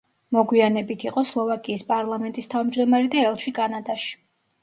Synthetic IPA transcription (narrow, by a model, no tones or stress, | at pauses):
mɔɡwianɛbit̪ʰiqʼɔslˠɔvakʼiːspʼaɾlˠamɛnt̪ʼist̪ʰavmd͡ʒd̪ɔmaɾɛd̪aɛlˠt͡ʃʰwikʼanad̪aʃi̥